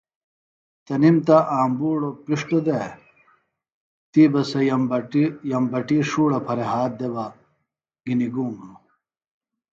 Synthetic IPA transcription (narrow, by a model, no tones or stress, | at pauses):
t̪ɐnimt̪ɐʔaːmbuːɽopiʂʈod̪e | t̪iːbɐsɐjmbɐjɐmbɐʈiʂuːɽɐpʰɐɾeɦaːt̪̚d̪eba | ɡiniɡuːŋɡo